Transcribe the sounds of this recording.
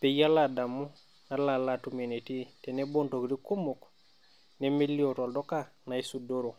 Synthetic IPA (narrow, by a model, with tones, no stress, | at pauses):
pe˨ja˦la˨da˨mu˦ | na˦la˨latume˨neti˦te˨nebo˦nto˨kɾi˦ku˦mok | neme˦lːi˦oto˨ldo˦ka˦na˨isudo˦ɾo˨